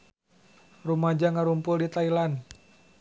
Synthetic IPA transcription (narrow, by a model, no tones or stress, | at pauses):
rumad͡ʒaŋaɾumpʊldit̪ailan